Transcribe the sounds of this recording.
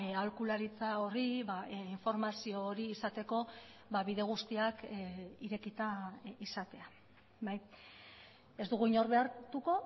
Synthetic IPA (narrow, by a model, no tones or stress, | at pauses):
alkulaɾit͡sao̞riβaiɱfo̞ɾmasio̞ːɾiːsat̪e̞ko̞ | βaβiðe̞ɣ̞ust̪iakiɾe̞kit̪aisat̪e̞a | baj | e̞zd̪uɣ̞uiɲo̞ɾβe̞aɾt̪uko̞